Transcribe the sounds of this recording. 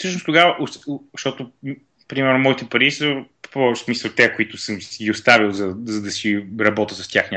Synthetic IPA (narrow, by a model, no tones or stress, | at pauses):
fsɤʃnoʊst̪ʊɡavəʔoʃt̪ɔt̪ʊ | pɾimɛɾnʊmɔit̪ɛpɐɾisəppɔsmisəlˠt̪ɛɛkoit̪ʊsəmsɡiʊst̪avilˠzɐzɐd̪ɐsiɾɐbɔt̪əsɐst̪ʲjaxnʲ